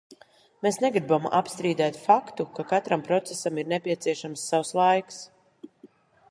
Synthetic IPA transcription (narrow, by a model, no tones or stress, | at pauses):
meːsnɛɡɾibamʔapst̪ɾiːd̪ɛːt̪fakt̪ukakat̪ɾampɾɔt̪sɛsamiɾnɛpʲiɛt̪siɛʃamsːawslˠajks